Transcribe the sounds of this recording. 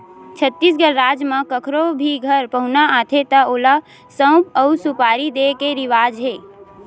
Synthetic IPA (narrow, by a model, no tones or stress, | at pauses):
t͡ʃʰət̪ːis̬ɡəɾːaːd͡ʒmãkəkʰɾobʱiɡʱəɾpəɦʊnaãːt̪ʰet̪aoːla | sə̃ʊpəʊsupaːɾid̪ekeɾɪʋaːd͡ʒɦeː